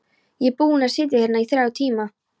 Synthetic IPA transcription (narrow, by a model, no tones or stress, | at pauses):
jɛpuːnasɪːt̪̬ɪ̥hɛnaiθɾawt̪ʰiːma